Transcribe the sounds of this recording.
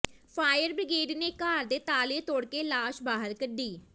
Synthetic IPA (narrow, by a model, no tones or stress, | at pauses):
pʰaːjəɾbɾɪɡeːɖneːkaːɾd̪eːt̪aːleːt̪oːɽkeːlaːʃbaːɦəɾkəɖiː